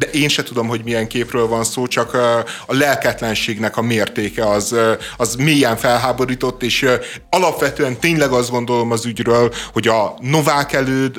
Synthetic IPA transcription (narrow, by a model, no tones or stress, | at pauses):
d̪ɛʔeːnʃɛt̪ud̪o̞mɦo̞ɟmijɛŋkeːprøːlvɒnsoːt͡ʃɒkɒlɛlkɛt̪lɛnʃeːɡnɛkɒmeːrt̪eːkɛɒzɒzmeːjɛɱfɛlɦaːbo̞ɾiːt̪o̞t̪ːeːʃ | ɒlɒpʋɛt̪øːɛnt̪eːɲlɛɡɒzd̪ɡo̞nd̪o̞lo̞mɒzyɟrøːlho̞ɟɒnovaːkɛløːd̪